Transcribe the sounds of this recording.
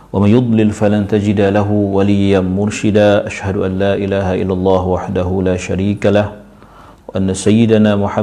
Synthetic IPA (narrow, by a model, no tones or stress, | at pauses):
wamanjʊd̪ˤlɪlfalant̪ad͡ʒɪd̪alaɦʊwalɪjːanmʊɾʃɪd̪aːʔaʃhad̪ʊʔanlaːʔɪlaːɦaʔɪ̰lːalˤːɑːhwaħd̪aɦʊlaːʃaɾiːkalah | waʔanːasajːɪd̪anaːmʊħa